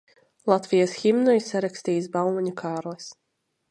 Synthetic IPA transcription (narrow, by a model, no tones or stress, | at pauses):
lˠat̪vʲijasxʲimnɔjsaɾaksʲt̪iːsbalˠmɔɲʲukʰaːɾlɛs